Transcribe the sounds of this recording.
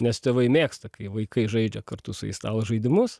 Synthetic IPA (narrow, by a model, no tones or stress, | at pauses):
nʲɛst̪ʲeːʋɐɪmʲeːkst̪ɐkɐɪʋɐɪkɐɪʒɐɪd͡ʒʲɛkɐrt̪ʊsʊɛɪst̪ɑːlˠɐʒɐɪd̪ʲɪmʊs